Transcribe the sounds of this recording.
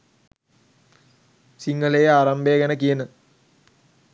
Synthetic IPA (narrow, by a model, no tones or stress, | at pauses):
siŋɡəlejəaːɾɐmbejɐɡɛnəkijənə